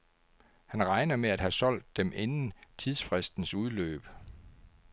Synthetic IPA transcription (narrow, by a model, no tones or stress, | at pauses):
hænʁɑ̈ɪnɐmeæd̥hæsɒ̽l̰d̥ːemʔenn̩t͡sʰið̞ˠsfʁɛsd̥n̩suð̞ˠlø̰ːb̥